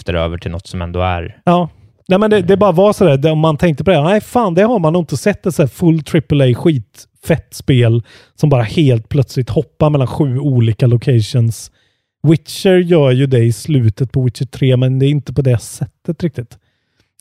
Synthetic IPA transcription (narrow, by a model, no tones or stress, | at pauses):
ft̪əɾø̰ːvəʈʰɪlnɔ̰t̪ːsɔmɛ̰nd̪o̰ːæ̰ɾjɑː | næɪmɛnd̪ɛd̪ɛbɑːɾavɑsɔd̪æːɾd̪ɛɔmːant̪ʰɛŋk̚t̪əpɔd̪ɛnæɪfaːnd̪ɛhaɾmanuɪnt̪əsɛt̪ːɛt̪sæːfɵlːt̪ʰɾɪpəlɛjɧiːt̪ | fɛt̪ːspeːl | sɔmbɑːɾaheːlt̪̚pʰlœt̪slɪɡ̚t̪hɔpːaɾmɛlːanɧʉ̟ːuːliːkalʊkʰɛɪʂʊns | wɪt̪ʃəɾjœːɾjɵd̪ɛɪslʉ̟ːt̪ət̪̚pʰɔwɪt̪t͡ʃəʈ̪ʰɾeːmɛnd̪ɛːɾɪnt̪əpɔd̪ɛsɛt̪ːət̪ɾɪk̚t̪ɪt̪